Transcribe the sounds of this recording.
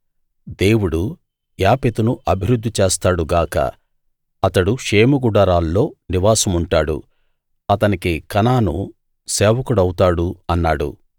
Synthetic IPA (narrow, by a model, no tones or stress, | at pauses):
d̪eːwuɽu | jaːpet̪unuʔɐbʱiɾud̪ʱːit͡ʃeːst̪aːɽuɡaːkɐ̰ | ɐt̪ɐɽuʂeːmuɡuɖɐɾaːlːo̞ːniʋaːsɐmuɳʈaːɽṵ | ɐt̪ɐnikikɐnaːnṵ | sɛːʋɐkuɽɐwut̪aːɽuɐnːaːɽṵ